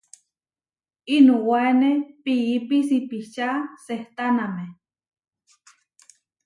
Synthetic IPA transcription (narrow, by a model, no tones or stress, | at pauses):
inuwaenepiipisipit͡ʃaseht̪aname